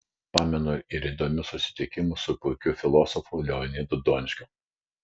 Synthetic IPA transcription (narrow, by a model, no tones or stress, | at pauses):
pɑːmʲɛnoɪɾiːd̪oːmʲʊsʊsʲɪ̥t̪ʲɪkʲɪmʊsʊpʊɪkʲʊfʲɪlˠɔsɔfʊlʲɛɔnʲiːd̪ʊd̪ɔːnʲʃʲkʲʊ